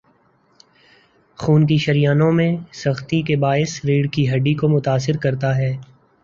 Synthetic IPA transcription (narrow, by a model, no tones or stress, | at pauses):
xuːnkiʃɐɾijaːnõmẽsɐxt̪ikebaːɪsɾiːɽkiɦɐɖːikomʊt̪aːsɪɾkɐɾt̪aɦɛː